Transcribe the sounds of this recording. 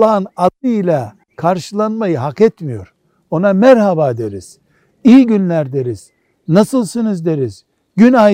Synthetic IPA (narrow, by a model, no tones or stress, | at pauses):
aɯnad̪ˠɯilʲa | kʰaɾʃɯlˠanmajɯɦakɛt̪mijo̞̰ɾ̥ | o̞namæɾhabaːd̪eɾiz̥ | ijiɟynlʲæɾd̪e̞ɾiz̥ | nasɯlˠsɯnɯzd̪e̞ɾiz̥ | ɟyna